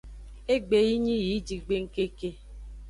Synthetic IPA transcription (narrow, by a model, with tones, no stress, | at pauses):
e˦ɡ͡be˨ji˦ɲi˦ji˨˦d͡ʒi˨ɡ͡be˦ŋ̩˦ke˦ke˦